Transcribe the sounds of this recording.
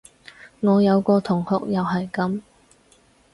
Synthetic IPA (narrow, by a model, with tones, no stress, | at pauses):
ŋɔː˨˧jɐ˨˧wkɔː˧t̪ʰʊ˨˩ŋhʊ˨k̚jɐ˨wɦɐ˨jkɐ˨˥m